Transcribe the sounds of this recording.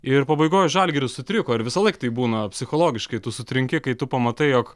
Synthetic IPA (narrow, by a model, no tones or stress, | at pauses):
ɪɾpɐbɐɪɡoːjʒɐlʲɡʲɪɾʲʊssʊt̪ʲɾʲɪkoːɪɾʋʲɪsɐlˠɐɪkt̪ɐɪbuːnɐpʲsʲɪxoːlˠoːɡʲɪʃkɐɪt̪ʊsʊt̪ʲɾʲɪŋʲkʲɪkɐɪt̪ʊpɐmɐt̪ɐɪjoːk